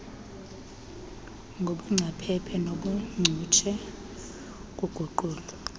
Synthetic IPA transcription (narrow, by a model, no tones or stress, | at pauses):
ŋɡʱoɓuŋ͡ǀʱapʰɛpʰɛnoɓuŋ͡ǀʱut͡ʃʰɛ | k̬ʼuɡ̥ʱuǃuːlu